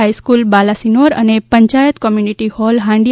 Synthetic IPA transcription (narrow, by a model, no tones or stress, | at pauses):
ajskulbalasinoɾə̰nepəɲt͡ʃajət̪kɔmjuniʈihɔlɦãɳɖi